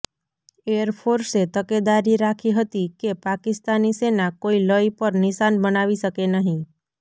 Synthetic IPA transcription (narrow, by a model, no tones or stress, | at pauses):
eəɾpʰoɾset̪əked̪aɾiɾakʰiɦət̪ikepakɪst̪anisenakoiləipəɾnɪʃanbənaʋiʃəkenəɦĩ